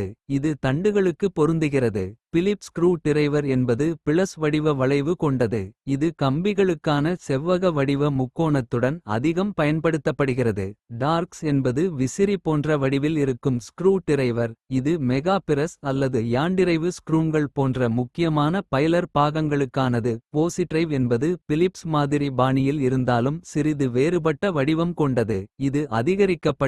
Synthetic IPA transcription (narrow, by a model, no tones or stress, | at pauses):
ɯɪðɯt̪ɐɳɖɯɣɐɭɯkːɯpːɔɾɯnd̪ɯɣɪrɐðɯfɪlɪpskɾuːʈɪɾɐɪʋɐɾɛnbɐðɯpɪɭɐsʋɐɽɪʋɐʋɐɭɐɪʋɯkɔɳɖɐðɯ̰ɪðɯkɐmbɪɣɐɭɯkːaːnɐsɛʋːɐɣɐʋɐɽɪʋɐmʊkːoːnɐt̪ːɯɽɐnɐ̰ðɪɣɐmpɐjɐnpɐɽɯt̪ːɐpːɐɽɯɣɪrɐðɯ̰ɖaːɾksɛnbɐðɯʋɪsɪɾipoːndrɐʋɐɽɪʋɪlɪɾɯkːɯmskɾuːʈɪɾɐɪʋɐɾɪðɯmɛɣaːpɪɾɐsɐlːɐðɯjaːɳɖɪɾɐɪʋɯskɾuːnɡɐɭpoːndrɐmʊkːɪjɐmaːnɐpɐjlɐɾpaːɣɐŋɡɐɭɯkːaːnɐðɯpoːsɪʈrɐɪʋɛnbɐðɯfɪlɪpsmaːðɪɾibaːnɪjɪlɪɾɯnd̪aːlɯmsɪɾɪðɯʋeːɾɯbɐʈːɐʋɐɽɪʋɐmkɔɳɖɐðɯɪðɯʔɐðɪɣɐɾɪkːɐpːɐ